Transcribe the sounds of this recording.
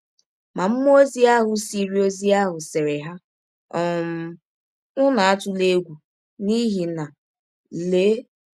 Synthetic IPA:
ma˨m̩˦m˦o˦zi˦a˦ɦʊ˨si˦ɾi˦o˦zi˦a˦ɦʊ˨se˨ɾe˨ɦa˦ | ɔ˦˨m̩˨ | ʊ˦na˨a˦tʊ˨le˦ɡʷu˨ | ni˦ɦi˨na˨ | le˦

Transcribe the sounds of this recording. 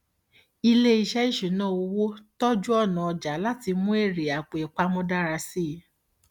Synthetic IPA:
i˧le˦i˧ʃɛ˦i˦ʃu˨˦nã˦o˧wo˦tɔ˦d͡ʒu˦ɔ˦˨nã˨ɔ˧d͡ʒa˨˦la˦ti˧mũ˦e˦˨ɾe˨a˨k͡pe˨e˨k͡pa˦mɔ̃˦da˦ɾa˧si˦˨˦

